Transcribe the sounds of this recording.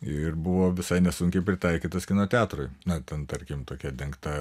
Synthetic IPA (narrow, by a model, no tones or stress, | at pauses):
ɪrbʊʋoːʋʲɪsɐɪnʲɛsʊŋʲkʲɛɪpʲɾʲɪt̪ɐɪkʲiːt̪ɐskʲɪnoːt̪ʲɑːt̪ɾoɪnɐt̪ʲɛnt̪ɐɾʲkʲɪmt̪oːkʲɛd̪ʲɛŋkt̪ɐ